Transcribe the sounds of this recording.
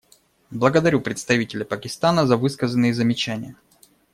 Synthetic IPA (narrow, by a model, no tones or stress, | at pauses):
blˠəɡəd̪ɐɾʲupɾʲɪt̪st̪ɐvʲitʲɪlʲɪpəkʲɪst̪anəzɐvɨskəzənːɨjəzəmʲɪt͡ɕænʲɪjə